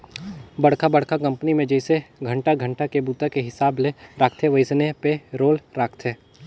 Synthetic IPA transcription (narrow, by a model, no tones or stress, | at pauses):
bɐɽ̤kʰabɐɽkʰakɐ̃mpnimẽd͡ʒɐɪseɡʱɐ̃ɳʈaɡʱə̃ɳʈakebuːt̪akeɦɪsaːbleɾaːkʰt̪ʰeʋɐɪsnepeɾoːlɾaːkʰt̪ʰeː